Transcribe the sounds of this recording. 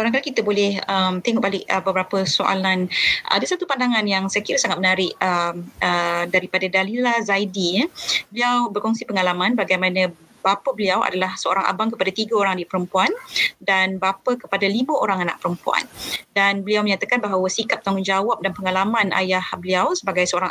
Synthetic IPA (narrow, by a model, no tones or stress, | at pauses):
kaɾaŋkalakit̪əbolɛhəmt̪eŋɔʔ̚balɪkəbəbəɾapəsoʔa̰lanʔa̰dasat̪upandaŋanjaŋsakiɾasaŋat̪̚mənaɾɪʔəmədaɾipadadalilazajdibəliawbərkɔŋsipəŋalamãnbaɡajmãnə̃ | bapəbəliawʔa̰dalahsəo̰ɾaŋa̰baŋkəpadat̪iɡaoɾaŋdipəɾəmpuandanbapəkə̥padaliməʔoɾaŋana̰ʔ̚pəɾəmpua̰ndanbəliawməɲat̪akanbaɦawəsikap̚t̪aŋʊnd͡ʒawap̚danpəŋalamãnʔa̰jahbəliawsəbaɡajsəoɾaŋ